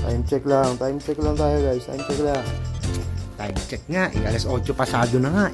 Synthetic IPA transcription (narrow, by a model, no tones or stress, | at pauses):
t̪a̰imt͡ʃɛklaŋt̪aimt͡ʃɛklaŋt̪ajaɡajst̪a̰imt͡ʃɛkla | t̪aimt͡ʃɛk̚ŋaʔɡalasot͡ʃɔpasad̪unaŋa